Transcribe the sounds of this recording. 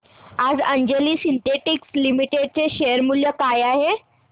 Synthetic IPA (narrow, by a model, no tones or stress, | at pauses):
ad͡zəɲd͡ʑeliːsint̪eʈikslimiʈeɖ̚t͡seɕeəɾmuljəkajaɦe